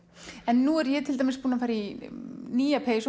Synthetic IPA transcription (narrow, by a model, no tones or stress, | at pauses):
ɛnːuɛɾjɛt̪ʰɪlt̪ɛmɪspuːnafaɾiniːapʰeːjso